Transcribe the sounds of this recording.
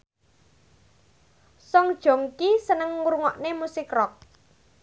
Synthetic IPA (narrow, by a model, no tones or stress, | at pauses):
sɔŋd̥ʒ̥o̤ŋkisənəŋːuɾŋɔʔnemusɪkrɔk̚